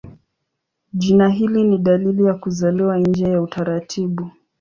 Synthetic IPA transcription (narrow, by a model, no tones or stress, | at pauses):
ʄinaɦiliniɗalilijakuzalɛwaɲd͡ʒɛjautaɾatʰiɓu